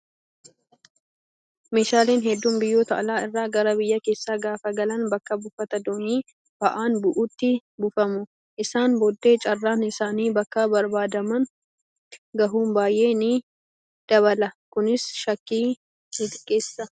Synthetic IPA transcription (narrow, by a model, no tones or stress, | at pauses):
me̞ːʃaːleːnɦɛd̪ːuːmbɪjːoːt̪ɐ̰ʔɐlaːɪrːaːɡɐɾɐbɪjːɐke̞ːsːaːɡaːfɐɡɐlɐnbɐkːɐbʊfɐt̪ɐd̪oːniː | b̥ɐʔaːnbʊʔuːt̪ːɪbʊfɐmʊ | ʔɪsaːnbɔd̪ːe̞ːt͡ʃʼɐrːaːnɪsaːniːbɐkːɐbɐɾbaːd̪ɐmɐn | ɡɐɦuːmbaːjʔe̞ːnɪ | d̪̥ɐβɐlɐkʊnɪsʃɐkːiː | ɪt̪ɪkʼːe̞ːsːɐ